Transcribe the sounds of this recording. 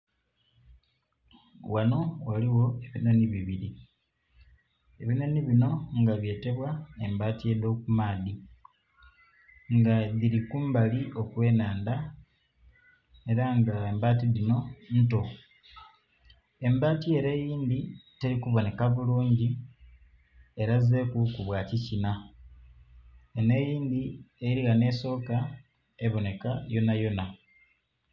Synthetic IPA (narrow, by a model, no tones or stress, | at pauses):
wano̞waliwo̞e̞βinoniβiβiɾi | e̞βinoniβino̞ŋɡaβje̞ːte̞βwae̞mbaːtie̞ðo̞ːkumaːði | ŋɡaðiɾikuːmbaliʔo̞kwe̞ːnaːnda | e̞ɾaŋɡaembaːtiðino̞n̩to̞ | e̞mbaːtie̞ɾe̞ːjiːnd̪ite̞ɾikuβo̞ne̞kaβuluːɲɟi | e̞ɾaze̞ːkukuβwaːcicina | ene̞jiːnd̪ieiɾiɣane̞ːso̞ːka | e̞βo̞ne̞kajo̞najo̞na